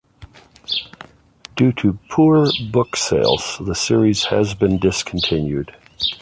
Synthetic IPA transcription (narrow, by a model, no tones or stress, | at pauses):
d̥ʉɾɨpʰuɹbʊkseɪlˠz̥ðəsɪɹiz̥ɨzbɨ̃ndɪskʰn̩tʰɪ̃njʉ̰d̥